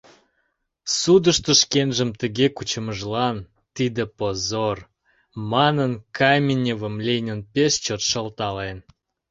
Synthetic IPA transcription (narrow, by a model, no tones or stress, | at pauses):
sud̪əʃt̪ə̆ʃkenʒə̆mt̪ə̆ɣekut͡ɕə̆məʒlɑn | t̪id̪ə̆pozor | mɑnənkɑjmʲenʲevəmlʲejnʲənpʲeʃt͡ɕot̪ʃə̆lt̪ɑlen